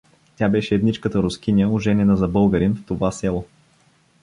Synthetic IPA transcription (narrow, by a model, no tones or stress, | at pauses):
t̪ʲjabɛʃɛːd̪nit͡ʃkət̪əɾʊskinʲəʊʒɛnɛnəzɐbɤlˠɡəɾinft̪ovasɛlˠo